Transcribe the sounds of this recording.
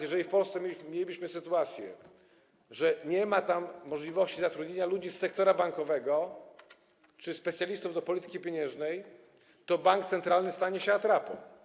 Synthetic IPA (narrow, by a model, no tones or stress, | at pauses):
jɛʐɛifpɔlst̪sɛmʲelʲibiɕmɘsɘt̪uat̪sʲjɛ̰ | ʐɛɲɛmat̪amːɔʐlʲivɔɕt͡ɕizat̪ɾud̪ɲeɲalud͡ʑisːɛkt̪ɔɾabaŋkɔvɛɡɔ | t͡ʂɘspɛt̪sʲjalʲist̪uvd̪ɔpɔlʲit̪ɘ̥kʲipʲeɲɛ̃ʐnɛj | t̪ɔbaŋk̚t̪sɛnt̪ɾalnɘst̪aɲɛɕɛat̪ɾapɔ̰